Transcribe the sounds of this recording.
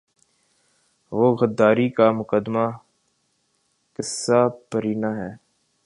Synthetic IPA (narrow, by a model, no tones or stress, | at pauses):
ʋoːɣəd̪ːaːɾikamʊkəd̪maː | kɪsːaːpəɾiːnaːɦɛː